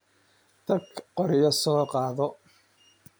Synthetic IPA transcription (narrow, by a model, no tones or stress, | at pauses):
t̪ʰɐɡqɔɾɪjɐsɔːqɑːðɔ